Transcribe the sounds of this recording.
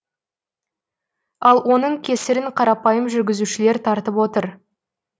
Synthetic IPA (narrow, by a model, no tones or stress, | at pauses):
ɑlˠwo̞n̪əɴkʲʰe̞sɪɾɪɴqʰɑɾɑpɑjəmʒʏɾɡʲɪzuʃɪle̞ɾt̪ʰɑɾt̪əpwo̞t̪əɾ